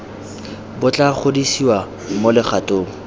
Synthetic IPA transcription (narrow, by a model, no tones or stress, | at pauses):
bʊt͡ɬʼaχʰʊdisiwa | molɪχʰatʼoːŋ̩